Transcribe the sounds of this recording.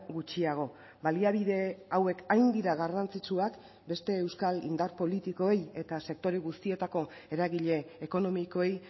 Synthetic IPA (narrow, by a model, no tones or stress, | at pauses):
ɡut͡ʃiaɣ̞o̞ | baliaβ̞iðe̞awe̞kajnd̪iɾaɣarant͡sit͡suak | be̞st̪e̞ːwskalḭnd̪arpo̞lit̪iko̞e̞je̞t̪ase̞k̚t̪o̞ɾeɣ̞ust̪ie̞t̪ako̞ | e̞ɾaɣiʎe̞ːko̞no̞miko̞ej